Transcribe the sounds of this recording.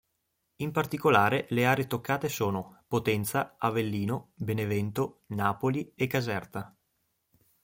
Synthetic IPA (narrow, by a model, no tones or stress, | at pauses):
impart̪ikolaːɾeleaːɾet̪okːaːt̪esoːnopot̪ɛnt̪saavelːiːnobenevɛnt̪onaːpoliekːazɛrt̪a